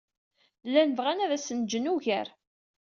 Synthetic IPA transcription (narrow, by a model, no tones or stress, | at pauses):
lːænvʁænæðæsənd͡ʒənuʝæɾ